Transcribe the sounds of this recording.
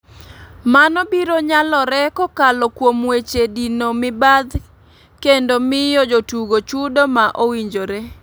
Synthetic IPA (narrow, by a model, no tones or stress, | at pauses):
manɔbiɾoɲalɔɾɛkɔkalɔkwomwet͡ʃedinomɪbad̪ | kendomɪjɔd͡ʒotuɡot͡ʃudomaʔowiɲd͡ʒoɾe